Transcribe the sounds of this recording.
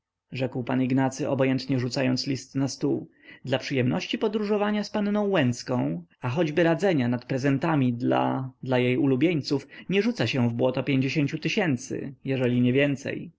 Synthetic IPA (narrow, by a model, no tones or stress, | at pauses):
ʐɛkwpaniɡnat̪sɘʔɔ̰bɔjɛnt̪ɲɛʐut̪sajɔnt̪slʲist̪nast̪u | d̪lapʂɘjɛmnɔɕt͡ɕipɔd̪ɾuʐɔvaɲaspannɔ̃w̃wɛnt̪skɔ̃w̃axɔd͡ʑbɘɾad̪zɛɲanat̪pɾɛzɛnt̪amʲid̪la̰d̪lajejulubʲjeɲt̪sufɲɛʐut̪saɕɛ̃vbwɔt̪ɔpʲjeɲd͡ʑeɕeɲt͡ɕut̪ɘɕɛnt̪sɘ̰jɛʐɛlʲiɲɛvʲjɛnt̪sɛ̰j